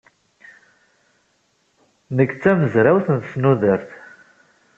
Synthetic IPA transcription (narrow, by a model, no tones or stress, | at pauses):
nəkːt͡sːæməzɾawθənθsnuðəɾθ